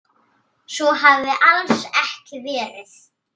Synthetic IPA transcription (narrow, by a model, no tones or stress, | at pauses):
sɔɦavðɪʔalsɛhcɪvɛːɾɪθ